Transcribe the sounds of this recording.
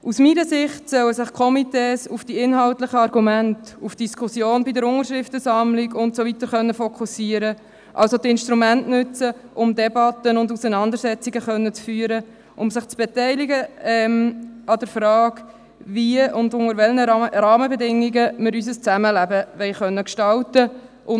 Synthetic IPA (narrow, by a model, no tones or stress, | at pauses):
usmiɾəsɪχtsœwəsɪχkʰɔmiteːsufd̥iɪnɦɑltlɪχəɑɾɡumæntufd̥iskʰʊsjoːnbidəɾʊŋəɾʃɾɪftəsɑmlɪɡʊntsovit̪əɾχœnːəfɔkʰusiəɾə | ʔɑ̰lsot̪ɪnʃtɾumæntnʉt͡səʔʊmdɛbɑtənʊndusənɑnd̪əɾsɛt͡siɡəχœnːət͡sfyːəɾə | ʔʊmsɪχt͡sb̥ɛtɛɪliɡəɛmɑd̥əɾfɾɑːk | viəʊndʊŋəɾʋɛlnəɾɑːməbɛdɪŋːiɡəmɪɾys̬əst͡sæməlæbəʋɛɪχœnːəkʃtɑltə | ʔʊ